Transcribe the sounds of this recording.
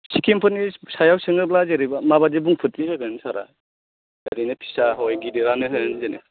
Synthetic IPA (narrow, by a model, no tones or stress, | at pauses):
sikʰempʰɯnisajawsɯŋɯblazeɾibamaβadebuŋpʰɯtːiɦɯɡɯnsaɾa̰ | eɾinɯpʰi̥saɦɔjɡidiɾanɯɦɯɯnzene